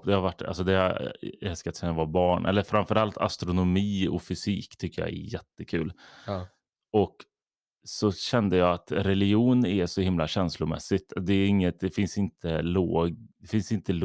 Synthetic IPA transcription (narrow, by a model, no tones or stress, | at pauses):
d̪ɛhaɾvaʈːa̰sɔd̪ɛha̰ɾɛlskat̪sɛnːavɑːbɑːɳʔɛ̰lːəɾfɾamfœɾalt̪ʰa̰st̪ɾʊnʊmiːɔ̰fʏsiːkt̪ʰʏkːəjɑ̰ɛ̰jɛt̪ːəkʰʉ̟ːl | ɔk | sɔɕɛnd̪əjɑːat̪ɾɛlɪjuːnɛʂɔhɪmlaɕɛnslʊmɛ̰sːɪt̪d̪ɛɛɾɪŋːət̪̚d̪ɛfɪnsɪnt̪ʰəloːd̪ɛfɪnsɪnt̪əl